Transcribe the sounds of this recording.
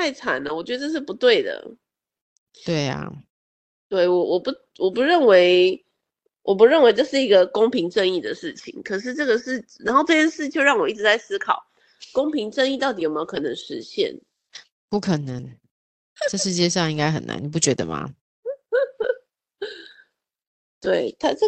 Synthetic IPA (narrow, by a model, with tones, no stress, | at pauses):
t̪ʰa˥˩ɪt͡sʰa˨˩nə˩wɔ˨˩t͡ɕɥɛ˧˥d̪ə˧ʈ͡ʂɤ˥˧ʂɻ̩˥˩pu˧˦t̪we˥˩ɪd̪ə̰˩ | we˥˩ɪa̰˨˩ | t̪we˥˩ɪwɔ˨˩wʔɔ˨˩pu˧˥ | wɔ˨˩pu˧˦ɻə˥˩nwe˧˥ɪ | wʔɔ˨˩p̬u˧˦ɻə˥˩nwe˧˥ɪʈ͡ʂɤ˥˧ʂɻ̩˥˩i˧˥ɡə˧ko˥ŋpʰi˧˥ŋʈ͡ʂə˥˧ŋi˥˩d̪ə˩ʂɻ̩˥˩t͡ɕʰḭ˨˩˦ŋkʰə˨˩ʂɻ̩˥˧ʈ͡ʂɤ˥˩ɡə˨ʂɻ̩˥˩na˨˥nxo˥˧ʊʈ͡ʂɤ˥˧t͡ɕʰjɛ˥nʂɻ̩˥˧t͡ɕjo˥˧ʊɻɑ˥˩ŋwɔ˨˩i˥˩ʈ͡ʂɻ̩˧t͡sa˥˩ɪsɹ̩˥kʰɑ˨˩˦ʊ | ko˥ŋpʰi˧˥ŋʈ͡ʂə˥˧ŋi˥˧t̪ɑ˥˩ʊt̪i˨jo˨m˧o˧˥ʊkʰɤ˨˩nə˧˦ŋʂɻ̩˧˦ɕjɛ̰˥˩n | pu˥˩kʰə˨˩nə˧˦ŋ | ʈ͡ʂə˥˩ʂɻ̩˧˥t͡ɕjɛ˥˧ʂɑ˥˧ŋi˥ŋɡa˥ɪxə˨˩na̰˧˦ni˨˩p̬u˥˩t͡ɕɥɛ˧˦d̪ə̰˧ma̰˨ | t̪we˥˩ɪt̪ʰa˥ʈ͡ʂə˥˨